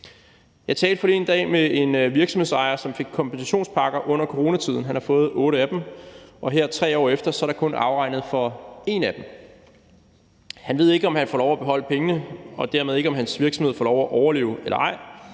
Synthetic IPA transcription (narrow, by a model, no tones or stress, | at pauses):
jɑ̈ɪt͡sʰɛːld̥fɒ̽lie̝nd̥ɛ̰ːmee̝nʋiɐɡ̥sm̩hesɑ̈ɪɐsɒ̽mfe̝ɡ̥̚kʰːɒ̽mpensæɕo̝̰ːnspʰɑ̈ɡ̥ɐʔɔ̽n̰ɐkʰoʁo̝ːnæt͡sʰið̞̰ˠn̩ɦænhɑ̈fɔ̽ːð̩ˠɔ̽ːɾəæd̥emʔɒ̽ɦeɐ̰t͡sʰʁɛ̰ːɒ̰ːefd̥ɐsɒ̽æɐɾ̥ɑ̈kʰɔ̽nɑ̈ʊʁɑ̈ɪ̰nð̞̩ˠfɒ̽e̝næd̥em | hænʋe̝ð̞ˠe̝ɡ̥əɒ̽mhænfɒːlɒʊæb̥e̝ɦɒ̽l̰əpʰeŋənəɒ̽d̥æɐmeðˠe̝ɡ̥əɒ̽mɦænsʋiɐ̥smhð̞̰ˠfɒlɒʊæʔɒʊɐle̝̰ːʊelɐɑ̈ɪ̰